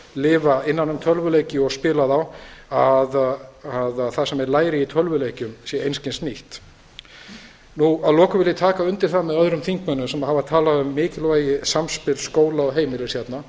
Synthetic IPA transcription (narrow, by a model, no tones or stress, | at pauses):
lɪːvaɪnːanːʏmt̪ʰœlvʏlejcɪɔɣspɪːlaðawaðaðaθasɛmɛɾlaːjɾɪit̪ʰœlvʏlejcʏmsjɛejnscɪnsniht̪ | nuaðlɔːkʏvɪljɪt̪ʰaːkaʏnt̪ɪɾ̥θamɛðœðɾʏmθiŋkmœnːʏmsɛmhavat̪ʰaːlaðʏmːɪːcɪlvaːjɪsamspɪɾlskoːwlaɔɣɦeːjmɪlɪsçjɛt̪na